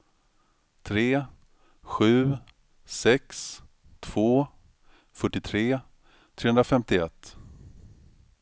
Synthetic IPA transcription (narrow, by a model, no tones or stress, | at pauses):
t̪ʰɾeː | ɧʉ̟ː | sɛks | t̪ʰv̥oː | fœʈːɪt̪ʰɾeː | t̪ʰɾeːɵnɾafɛmt̪ɪɛt̪ː